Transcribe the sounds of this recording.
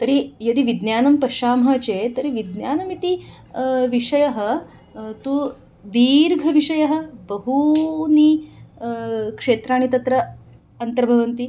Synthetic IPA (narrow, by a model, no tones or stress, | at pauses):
t̪ɐɾijɐd̪iʋid̪njaːnɐmpɐʃaːmɐt͡ɕet̪ɐɾiʋid̪njaːnɐmit̪i | ʋiʂɐjɐɦə̆ | t̪uː | d̪iːɾɡʱɐʋiʂɐjɐɦə̆bɐɦuni | kʂeːt̪ɾaːɳ̃it̪ɐt̪ɾɐ | ɐnt̪ɐɾbʱɐʋɐnt̪i